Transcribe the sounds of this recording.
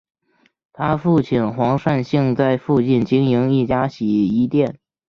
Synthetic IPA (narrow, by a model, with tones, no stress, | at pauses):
t̪ʰa˥fu˥˧t͡ɕʰi˥˩nxwɑ˧˥ŋʂa˥˧nɕi˥˧ŋt͡sa˥˧ɪfu˥˧t͡ɕi˥˩nt͡ɕi˥ŋi˧˥ŋi˥˩t͡ɕja˥ɕi˨˩i˧˥t̪jɛ˥˩n